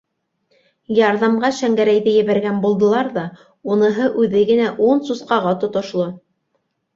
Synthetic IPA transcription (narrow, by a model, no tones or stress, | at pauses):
jɑɾðɑmʁɑʃæŋɡæɾæjðɘjɘ̆βæɾɡænbulˠd̪ɤ̆lˠɑɾðɑ | unɤ̆ɦɤʔʉðɘɡɘ̆næʔunsusqɑʁɑt̪ŏt̪ŏʃlˠo